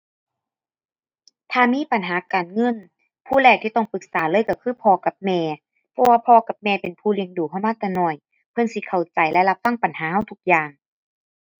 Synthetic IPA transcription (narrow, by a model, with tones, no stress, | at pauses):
t̪ʰaː˧˩miː˧˥˨pa˨nɦaː˨˦kaː˨˩nŋɤ˧˥˨n | pʰuː˧˨lɛː˧˩k̚t̪ʰiː˧t̪ɔ˧˩ŋpɯ˨˧˦k̚saː˨˦lɤː˧˥˨jka˧˩kʰɯː˧˥˨pʰɔː˧ka˨˧˦p̚mɛː˧˩ | pʰɔ˧waː˧pʰɔː˧ka˧˦p̚mɛː˧˩pe˨npʰuː˧˩li˧əŋduː˨˩kʰa˧˩wmaː˧˥˨t̪ɛː˧˩nɔ˧˩j | pʰɤ˧˥˨nsi˧˦kʰa˨˩wt͡ɕa˨˩jlɛ˧˨la˧˥p̚fa˧˥˨ŋpa˨nhaː˨˦ha˧˩wt̪ʰu˧˥k̚jaː˨˩ŋ